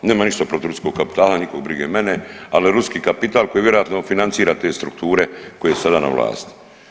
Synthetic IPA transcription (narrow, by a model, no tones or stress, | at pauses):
neːmaniʃt̪apɾot̪iiɾuskoɡkapi̥t̪aːlanikoɡ̚bɾiɡemenealieɾuskiːkapit̪aːlˠko̞jiʋje̞ɾo̞jat̪nofinant̪siːɾaːt̪e̞ːst̪ɾukt̪uːɾe̞ko̞jeesad̪ana̰ʋla̰ːst̪i̥